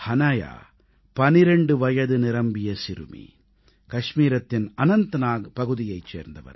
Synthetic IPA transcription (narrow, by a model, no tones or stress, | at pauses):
hɐnɐja̰ː | pɐnɪɾɛɳɖɯʋɐjɐðɯnɪɾɐmbɪjɐsɪɾɯ̰mḭ | kɐʂmiːɾɐt̪ːɪnɐnɐnt̪ɐnaːpɐɣɯðɪjɐɪt͡ʃːḛːɾnd̪ɐʋɐ̰ɾ